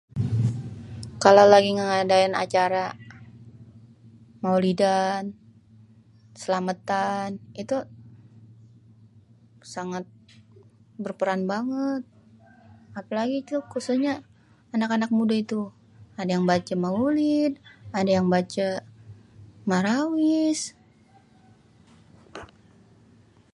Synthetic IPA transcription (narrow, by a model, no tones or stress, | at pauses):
kalawlaɡiŋəŋadaina̰t͡ʃaɾa | maulidan | səlamət̪anit̪u | saŋat̪̚ | bərpəɾanbaŋət̪̚ | apalaɡit̪ukususɲa | anakanak̚mudait̪u | adajaŋbat͡ʃamaulid̪̚adajaŋbat͡ʃa | maɾawis